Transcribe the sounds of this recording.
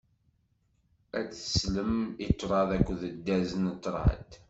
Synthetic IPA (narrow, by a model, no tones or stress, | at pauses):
æt͡sə̥sləmit̪ˤːɾˤɑðˤækʷːðəd̪ːæzənət̪ˤːɾˤɑ̰ə̰d̪